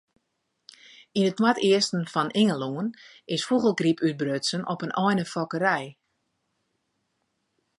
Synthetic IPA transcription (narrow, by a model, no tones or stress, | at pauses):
inət̚watɪəstən̩fɔnʔɪŋəlˠuən | ɪsfuɣəlˠɡripʰyt̚brøtsənʔɔpənʔɔjnəfɔkəɾɛj